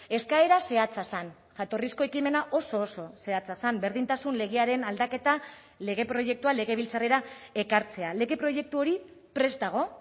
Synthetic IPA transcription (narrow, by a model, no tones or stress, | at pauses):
e̞skae̞ɾase̞at͡sasan | ʝat̪o̞risko̞e̞kime̞naʔo̞so̞ːso̞se̞at͡sasambe̞ɾðint̪asunle̞ɣeaɾe̞nald̪ake̞t̪a | le̞ɣe̞pɾo̞ʝe̞k̚t̪uale̞ɣe̞βilt͡sare̞ɾae̞kaɾt͡se̞ale̞ɣe̞pɾo̞ʝe̞k̚t̪uo̞ɾipɾe̞st̪aɣ̞o̞